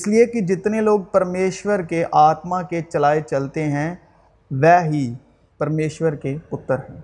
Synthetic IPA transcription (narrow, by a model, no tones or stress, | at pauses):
ɪsliekid͡ʒɪt̪neloːɡ̚pɐɾmeːʃwəɾkeʔaːt̪mãket͡ʃɐlaːet͡ʃɐlt̪eɦɛ̃ː | ʋɛːɦi | pɐɾmeːʃwəɾkepʊt̪ːəɾɦɛ̃ː